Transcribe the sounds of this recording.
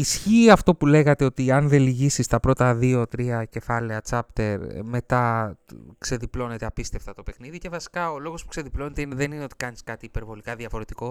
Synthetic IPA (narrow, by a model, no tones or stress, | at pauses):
isçiɐft̪o̞pule̞ɣɐt̪e̞o̞t̪iɐnðe̞liʝisist̪ɐpɾo̞t̪ɐðio̞t̪ɾiɐce̞fɐle̞ɐt͡sɐpt̪e̞ɾme̞t̪ɐ | kse̞ðiplo̞ne̞t̪e̞ɐpist̪e̞ft̪ɐt̪o̞pe̞xniðice̞vɐsi̥kɐo̞lo̞ɣo̞spu̥kse̞ðiplo̞net̪eineðe̞nineo̞t̪i̥kɐniskɐt̪iːpe̞ɾvo̞likɐðiɐfo̞ɾe̞t̪iko̞